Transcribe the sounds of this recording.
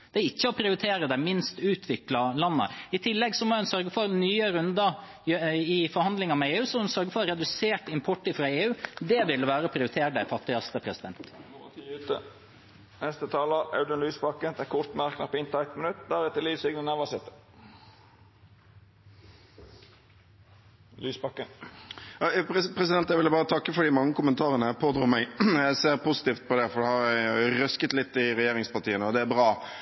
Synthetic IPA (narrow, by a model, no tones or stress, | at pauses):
d̪̥ɛɪçːəɔpʰɾɪʊɾɪt̪ʰeːɾəd̪æɪmɪnst̪ʉːt̪ʰʋɪklɑlɑnːə̰ɪt̪ʰɪlːɛɡsɔmɔd̪ɛnsœɾɡəfɔɾnyːəɾʉnd̪ɑ | jɪfɔɾhɑnd̪lɪŋɑmɛeːʉːsɔnsœɾɡəfɔɾɛd̪ʉseːʈɪmpʰɔʈːɪfɾɑeːʉːd̪ɛʋɪlːəʋæːɾəɔpʰɾɪʊɾɪt̪ʰeːɾəɖ̪æɪfɑt̪ːɪɑst̪əpʰɾɛsɪd̪ɛnt̪ː | t̪ə | nɛst̪ət̪ʰɑːləɑ̰ʉd̪ənlyːsbɑkːənɛkʰʊɾt̪mæɾknɑpɪnt̪ʰːɑɛt̪mənʉt̪d̪æɾɛt̪ʰɪliːʋsʏɡnənæʋɑsɛt̪ə | lyːsbɑkːənɑpʰɛspʰɾɛs̬ɪd̪ɛnt̪jæʋɪləbɑːʁət̪ʰɑkːəfɔɖ̪ɪmɑŋːəkʊmənt̪ʰɑːʁənəpʰoːd̪ɾʊmːæɪjæɪseːʁpʰusɪ̥t̪iːft̪̚pʰɔd̪ɛfɔɖ̪ɛhɑɾæɾœskət̪lɪt̪ːɪʁɛjeːɾɪŋspɑʈt̪ʰiːənəɔd̪ɛæɾbʁɑː